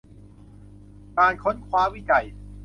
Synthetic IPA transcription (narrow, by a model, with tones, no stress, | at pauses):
kaː˧nkʰo˦˥nkʰwaː˦˥wi˦˥˩t͡ɕa˨˩j